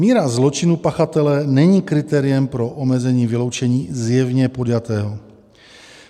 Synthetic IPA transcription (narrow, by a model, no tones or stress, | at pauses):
miːɾazlot͡ʃɪnupaxat̪ɛlɛnɛɲiːkɾɪt̪ɛːɾɪjɛmpɾoʔomɛzɛɲiːvɪlo̞wt͡ʃɛɲiːzjɛvɲɛpod̪jat̪ɛːɦo